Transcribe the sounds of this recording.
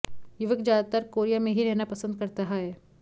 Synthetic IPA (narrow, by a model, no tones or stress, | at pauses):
jʊʋəkd͡ʒjaːd̪at̪aɾkoːɾijamẽɦiɾɛɦnapɐsə̃nd̪̚kɐɾt̪aɦaɦɛː